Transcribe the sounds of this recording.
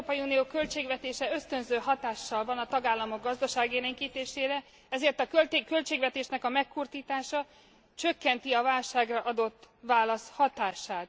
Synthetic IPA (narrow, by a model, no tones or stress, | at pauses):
pɒjiuːnijoːkølt͡ʃeːɡvɛt̪eːʃɛø̞st̪ø̞nzøːɦɒt̪aːʃːɒlvɒnɒt̪ɒɡaːlːɒmoɡ̚ɡɒzd̪ɒʃaːɡeɾeŋkiːt̪eːʃeːɾɛ | ɛzeːrt̪ɒkølt̪ːkø̞lt͡ʃeːɡvɛt̪eːʃnɛkɒmɛkʰːurt̪iːt̪aːʃɒ | t͡ʃø̞kːɛnt̪iɒvaːlʃaːɡrɒʔɒd̪o̞t̪ːʋaːlɒshɒt̪aːʃaːt̪̚